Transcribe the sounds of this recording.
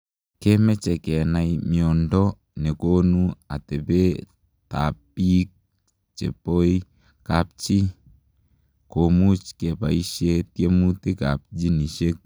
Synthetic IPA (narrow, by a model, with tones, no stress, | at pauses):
ke˦mɛ˦t͡ʃɛ˨kɛ˨na˦jmi˨ɔ˨ndɔ˦ | ne˨ko˦nu˦a̰˨te˨be˦ | ta˨pi˦k̚ | t͡ʃḛ˨po˦i | ka˨p̚t͡ʃi˦ | ko˨mu˦t͡ʃke˨pa̰˨i˦ʃe˦t̚ke˦mu˦ti˦ka˨p̚d͡ʒi˦ni˨ʃe˦k̚